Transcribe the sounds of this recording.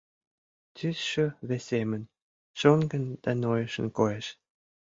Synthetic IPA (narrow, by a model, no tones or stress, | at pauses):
t̪ysʃøβesemə̆n | ʃonɡə̆nd̪̥ænojə̆ʃə̆nkojeʃ